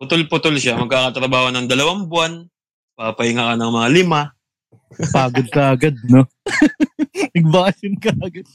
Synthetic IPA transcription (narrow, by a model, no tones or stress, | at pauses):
pʊt̪olpʊt̪olʃamɐɡ̚kakɐt̪ɾɐbaːhonɐŋd̪ɐlɐwaŋbwan | papɐhɪŋakɐnɐŋmɐŋalɪma | paːɡɐd̪̚kɐʔɐɡad̪̚no | nɐɡ̚bajɪnkɐʔɐɡɐd̪̚